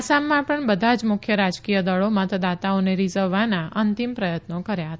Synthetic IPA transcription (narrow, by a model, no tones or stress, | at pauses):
samːãpəɳbəd̪ʱad͡ʒmʊkʰjəɾad͡ʒkijəd̪əɭomãt̪d̪at̪aoneɾizəʋːanaʔənt̪impɾəjət̪nokəɾjaɦət̪a